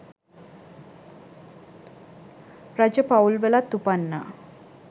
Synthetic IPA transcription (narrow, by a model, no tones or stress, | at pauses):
ɾad͡ʑəpawlʋelat̪upanːa̰